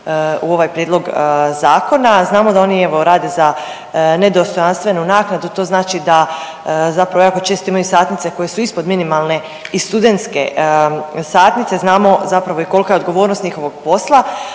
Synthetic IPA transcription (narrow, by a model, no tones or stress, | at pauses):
uo̞ʋajpɾjed̪lˠo̞ɡzaːko̞naznaːmod̪ao̞ːnie̞ʋo̞ɾaːd̪eza | ne̞d̪o̞st̪o̞janst̪ʋe̞nunaːknad̪ut̪o̞ːznaːt͡ʃid̪a | zapɾaʋako̞t͡ʃe̞ːst̪oimajusaːt̪nit̪se̞ko̞je̞suispo̞d̪minimalˠne̞ | ist̪ud̪e̞nt̪ske̞̰ | saːt̪nit̪se̞znaːmo̞zapɾaʋo̞iko̞lˠkajed̪ɡo̞ʋo̞ːɾnost̪ɲixo̞ʋo̞ɡ̥po̞slˠa